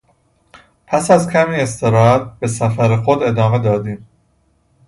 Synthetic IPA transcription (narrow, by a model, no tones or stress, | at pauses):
pʰæsæzcʰæmiːe̞st̪ʰe̞ɾɒːhæt̪̚b̥e̞sæfæɾexod̪e̞d̪ɒːme̞d̪ɒːd̪iːm